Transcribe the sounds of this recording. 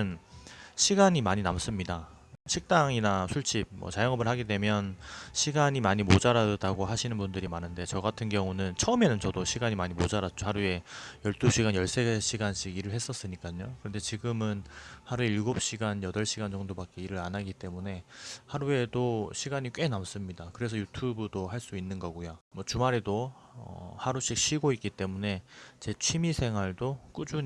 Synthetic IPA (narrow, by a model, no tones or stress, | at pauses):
ɯnɕʰiɡaɲimaɲinams͈ɯmɲida | ɕʰik̚t͈aŋinasʰuɭt͡ɕ͈ʰib̚mʌ̰t͡ɕajʌŋʌbɯɭhaɡide̞mjʌnɕʰiɡaɲimaɲimod͡ʑaɾadaɡoɦaɕʰinɯnbundɯɾimanɯnde̞t͡ɕʌɡatʰɯnɡjʌŋunɯnt͡ɕʰʌɯme̞nɯnt͡ɕʌdoɕʰiɡaɲimaɲimod͡ʑaɾat͡ɕ͈ohaɾue̞jʌɭt͈uɕʰiɡanjʌɭs͈e̞ɕʰiɡanɕʰiɡiɾɯɭɦe̞s͈ʌs͈ɯɲik͈aɲokɯɾʌnde̞t͡ɕiɡɯmɯnhaɾueiɭɡop̚ɕ͈iɡanjʌdʌɭɕ͈ʰiɡand͡ʑʌŋdobak͈eiɾɯɾanaɡit͈e̞mune̞haɾue̞doɕʰiɡaɲik͈we̞nams͈ɯmɲidakɯɾe̞s̬ʰʌjutʰubɯdohaɭs͈uinːɯnɡʌɡojomwʌt͡ɕumaɾedo | ʌ̰haɾuɕ͈ik̚ɕ͈ʰiɡoik͈it͈e̞mune̞t͡ɕe̞t͡ɕʰimisʰe̞ŋɦwaɭdok͈ud͡ʑu